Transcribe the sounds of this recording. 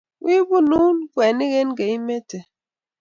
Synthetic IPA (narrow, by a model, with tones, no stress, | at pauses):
wi˦bu˦nu˦n˦kwe˨ni˦ɣe˦nɡe˨i˦me˦te˨